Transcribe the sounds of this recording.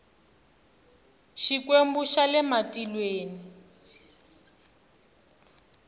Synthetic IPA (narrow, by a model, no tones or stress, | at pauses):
ʃikwembuʃalɛmatilweːni